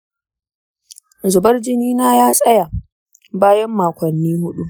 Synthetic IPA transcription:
zʊ˨bɐ˦rd͡ʒɪ˦niː˦naː˦jaː˦sʼɐ˦ja˨ | baː˦jɐ˦mːaː˨kʷɐ˨nːiː˦hʊ˦ɗu˦

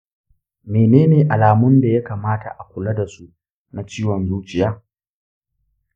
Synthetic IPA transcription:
meː˨neː˦neː˨ʔa˨laː˨mʊ˦nda˨ja˦kaː˨maː˦ta̰˨ʔa˨kʷʊ˨lɐ˦da˨su˦ | na˨t͡ʃiː˦wɔ˨nzuː˦t͡ʃɪ˨jaː˦

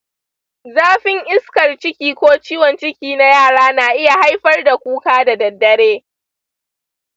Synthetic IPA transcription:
zaː˦ɸɪ˦ŋʔɪ˦skɐ˨rt͡ʃɪ˦kʲiː˦kʷoː˦t͡ʃiː˦wɔ˨nt͡ʃɪ˦kʲiː˦na˦jaː˦˨ɽaː˦na˨ʔɪ˦ja˨ha˦jɸɐ˦rda˨kʷuː˦kaː˦da˨dɐ˨dːɐ˦ɽeː˦

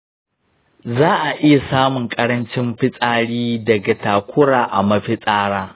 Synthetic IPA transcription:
zaː˦ʔa˨ʔɪ˦ja˨saː˦mʊ˨ŋkʼɐ˦ɾɐ˦nt͡ʃɪ˦mɸɪ˦sʼaː˦ɽiː˦dɐ˨ɡa˨taː˨kʷʰʊ˦ɽaː˨ʔa˨mɐ˦ɸɪ˦sʼaː˦ɽaː˦

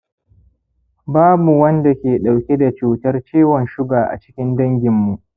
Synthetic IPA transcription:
baː˦bu˨wɐ˦nda˨kʲeː˨ɗa˨wkʲe˦da˨t͡ʃuː˨tɐ˦rt͡ʃiː˦wɔ˨nʃʊ˦ɡaː˨ʔa̰˨t͡ʃɪ̥˦kʲɪ˦ndɐ˦ŋɡʲɪ˨mːu˨ʔ

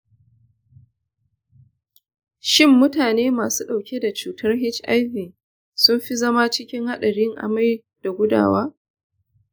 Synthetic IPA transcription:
ʃɪ˦mːʊ˦taː˨neː˦maː˨suː˦ɗa˨wkʲe˦da˨t͡ʃuː˨tʰɐ˦rɦɪ˦t͡ʃʔa˦jɸiː˨ | sʊ˦mɸi˦zɐ˦ma˦t͡ʃɪ˦kʲɪ˦ŋha˦ɗɐ˨ɽi˦ŋʔa̰˨ma˦j | d̥a˨ɡʷʊ˦da̰ː˨waː˦

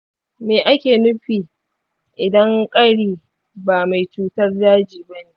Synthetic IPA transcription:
meː˨ʔa˦kʲeː˨nʊ˦ɸiː˨ | ʔɪ˨dɐ˦ŋkʼɐ˦ɽiː˨ | baː˨ma˨jt͡ʃuː˦tɐ˦rdaː˦d͡ʒiː˨bɐ˦neː˨ʔ

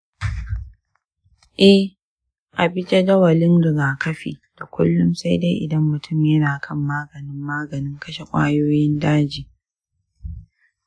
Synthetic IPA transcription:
ʔɛ˦h | ʔa˨bɪ˦d͡ʒe˦dɐ˦wɐ˨lɪ˦ndʊ˨zaː˨kɐ˦ɸḭː˨d̥a˨kʷʊ̰˦lːʊ˦msa˦jde˦jʔɪ˨dɐ˦mːʊ˨tʰʊ˦˨mjɐ˦naː˨kʰɐ˦˨mːaː˦ɡɐ˨nɪ˦mːaː˦ɡɐ˨nɪ˦ŋkɐ˦ʃe˨kʷʼa̰ː˦joː˦jɪ˦ndaː˦d͡ʒiː˨

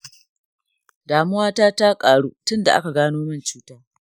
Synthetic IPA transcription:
daː˨mʊ˦waː˦taː˦ta˦kʼaː˨ɽuː˦tʊ˦nda˨ʔa̰˦ka˨ɡaː˦noː˦mɐ˦˨nt͡ʃuː˦taː˦

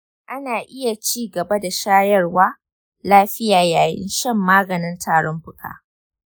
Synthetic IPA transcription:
ʔa˦naː˨ʔɪ˦ja˨t͡ʃiː˦ɡɐ˨ba˦da˨ʃaː˦jɐ˦rwaː˦ | laː˦ɸɪ˦jaː˨jaː˨jɪ̰˦nʃɐ˦˨mːaː˦ɡɐ˨nɪ˦ntʰaː˨ɽɔ˦mɸʊ˦kʰʼa̰ː˨

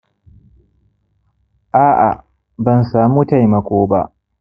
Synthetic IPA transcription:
ʔaː˦ʔa̰˨ | bɐ˨nsaː˨muː˦ta˦˨jmɐ˨kʷoː˦ba̰˦ʔ

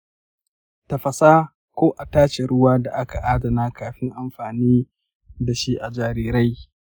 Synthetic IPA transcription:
ta˨ɸɐ˨saː˦ | kʷoː˦ʔa˨taː˦ʃe˨ɽʊ˦waː˦da˨ʔa˦ka˨ʔaː˦dɐ˨naː˦kaː˨ɸɪ˦ŋʔa˨mɸaː˨niː˦ | da˨ʃi˦ʔa˨d͡ʒaː˨ɾiː˦ɾa˦j

